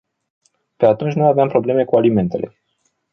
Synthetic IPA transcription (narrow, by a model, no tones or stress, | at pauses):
pe̞at̪unt͡ʃʲnuaveampɾo̞ble̞me̞kualime̞nt̪e̞̰le̞̰